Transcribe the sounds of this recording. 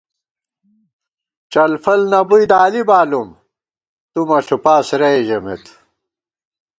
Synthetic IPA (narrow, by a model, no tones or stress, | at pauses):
t͡ɕɐlfɐlnɐbujd̪aːlibaːlum | t̪umɐɬupaːsɾɐjʑɐmḛt̪ʰ